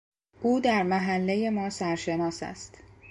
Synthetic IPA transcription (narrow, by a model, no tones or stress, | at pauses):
ʔuːd̪æɾmæɦælːe̞je̞mɒːsæɾʃe̞nɒːsæ̰st̪